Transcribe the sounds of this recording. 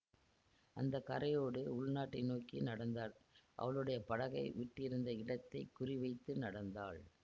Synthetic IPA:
ʔɐnd̪ɐkɐɾɐjoːɽɯʊɭnaːʈːɪnoːkinɐɽɐnd̪aːɭʔɐ̰ʋɐɭɯɽɐjɐpɐɽɐɣɐɪʋɪʈːɪɾɯnd̪ɐɪɽɐt̪ːɐɪkːʊrɪʋɐɪt̪ːɯnɐɽɐnd̪aːɭ

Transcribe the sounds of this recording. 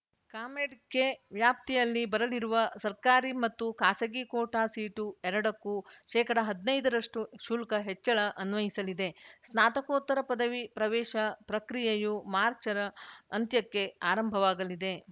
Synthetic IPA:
kaːmeɖkːe̞ʋjaːp̚t̪ijɐlːibɐɾɐliɾuʋɐsɐɾkaːɾimɐt̪ːukaːsɐɡikoːʈaːsiːʈuɛɾɐɽɐkːuʃɛːkɐɽɐɦɐd̪nɐjd̪ɐɾɐʂʈuʃuːlkɐɦet͡ʃːɐɭɐʔɐnʋɐjisɐlid̪e̞snaːt̪ɐkoːt̪ːɐɾɐpɐd̪ɐʋipɾɐʋɛːʃɐpɾɐkɾijɐjumaːɾt͡ʃɐɾɐːnt̪jɐkːe̞aːɾɐmbʱɐʋaːɡɐlid̪e̞

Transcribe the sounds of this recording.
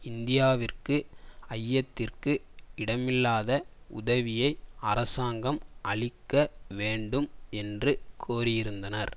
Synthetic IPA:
ɪnd̪ɪjaːʋɪrkɯɐjːɐt̪ːɪrkɯɪɽɐmɪlːaːðɐ | ʊ̰ðɐʋɪjɐɪɐrɐsaːŋɡɐmɐɭɪkːɐʋeːɳɖɯmɛndrɯkʰoːɾɪjɪɾɯnd̪ɐnɐɾ

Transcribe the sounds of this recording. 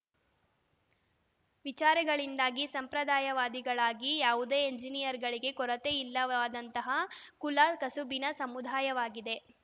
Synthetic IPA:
ʋit͡ʃaːɾɐɡɐɭind̪aːɡisɐmpɾɐd̪aːjɐʋaːd̪iɡɐɭaːɡijaːʋud̪eːeɲd͡ʒinijɐɾɡɐɭiɡe̞kɔɾɐt̪eilːɐaːd̪ɐnt̪ɐɦɐkulaːlkɐsubinɐsɐmud̪ʱaːjɐʋaːɡid̪e̞

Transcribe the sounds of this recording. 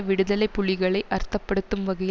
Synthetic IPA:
ʋɪɽɯðɐlɐɪpːʊɭɪɣɐɭɐɪʔɐɾt̪ːɐpːɐɽɯt̪ːɯmʋɐɣɐj

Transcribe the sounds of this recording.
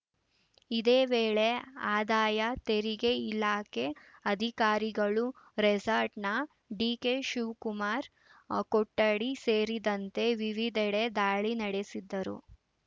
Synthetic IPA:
id̪eːʋeːɭe̞aːd̪aːjɐt̪eɾiɡeilaːke̞ɐd̪ʱikaːɾiɡɐɭu | ɾɛd͡ʒaːɾʈnɐ | ɖiːkeʃuːkumaːɾ | kɔʈːɐɽiseːɾid̪ɐnt̪e̞ʋiʋid̪ʱɛɽed̪aːɭinɐɽesid̪ːɐɾṵ

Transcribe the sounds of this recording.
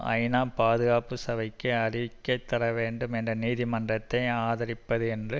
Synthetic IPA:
ɐ̰ɪnaːpaːðɯɣaːpɯsɐʋɐɪkːɯɐrɪʋɪkːɐɪt̪ːɐɾɐʋeːɳɖɯmɛndrɐniːðimɐndrɐt̪ːɐɪaːðɐɾɪpːɐðɯɛndrɯ

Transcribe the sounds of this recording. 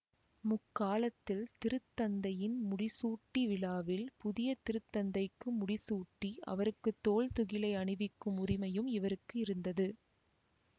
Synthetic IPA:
mʊkːaːlɐt̪ːɪlt̪ɪɾɯt̪ːɐnd̪ɐjɪnmʊɽɪsuːʈːiʋɪlaːʋɪlpʊðɪjɐt̪ɪɾɯt̪ːɐnd̪ɐɪkːɯmʊɽɪsuːʈːiʔɐ̰ʋɐɾɯkːɯt̪ːoːlt̪ʊɣɪlɐɪɐɳɪʋɪkːɯmʊɾɪmɐjɯmɪʋɐɾɯkːɯɪɾɯnd̪ɐðɯ

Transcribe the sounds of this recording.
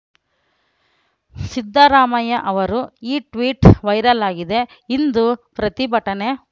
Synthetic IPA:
sid̪ːɐɾaːmɐjɐʔɐʋɐɾuiːʈʋiːʈʋɐjɾɐlaːɡid̪e̞ | ind̪upɾɐt̪ibɐʈɐne̞

